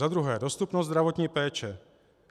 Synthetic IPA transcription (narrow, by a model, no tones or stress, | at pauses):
ad̪ɾuɦɛːdost̪upnozzd̪ɾavot̪ɲiːpɛːt͡ʃɛ